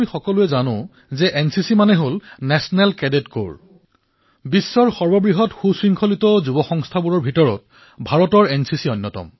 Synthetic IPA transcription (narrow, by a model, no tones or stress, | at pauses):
ixɔkɔluɛzanʊ̃ | zɛʔɛnsisimanɛɦolnɛsɔnɛlkɛdetko̰ɹ | bisːɔɹxɔɹbɔbɹiɦɔtxusɹiŋkʰɔlitɔzubɔxɔŋstʰabuɹɔɹbʱitɔɹɔ̰t | bʱaɹɔtɔɹɛnsisiɔnːɔtɔ̰m